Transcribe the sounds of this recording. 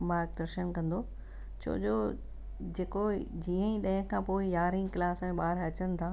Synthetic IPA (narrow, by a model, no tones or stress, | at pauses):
mãːɾk̚d̪ɐɾʃənkɐ̃nd̪o | t͡ɕʰo̰ːd͡ʑoː | d͡ʑeːkod͡ʑiːə̃ĩɗɐ̃ɦə̃kʰãːpoːɪjaːɾɪ̃ŋɡklaːsɛ̃ɓaːɾɐt͡ɕənɪ̆t̪ʰaː